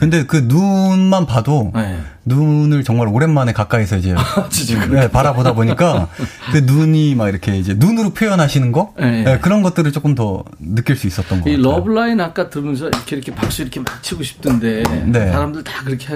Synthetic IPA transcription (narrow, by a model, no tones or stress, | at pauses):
kɯnde̞kɯnunmanpadoenunɯɭt͡ɕʌŋmaɾoɾe̞nmane̞kak͈aisʰʌid͡ʑe̞t͡ɕid͡ʑiepaɾabodaboɲik͈akɯnuɲimaɡiɾʌkʰe̞id͡ʑe̞nunɯɾopʰjojʌnɦaɕʰinɯnɡʌjeje̞kɯɾʌnɡʌt̚t͈ɯɾɯɭt͡ɕ͈ok͈ɯmtʌ | nɯk͈jiɭs͈uis͈ʌt̚t͈ʌnɡʌilʌbɯɭainak͈atɯɾnɯnsʰʌiɾʌkʰeiɾʌkʰepak̚s͈uiɾʌkʰemant͡ɕʰiɡoɕʰi̥p̚t͈ɯnde̞ne̞sʰaɾamdɯɭtakɯɾʌkʰea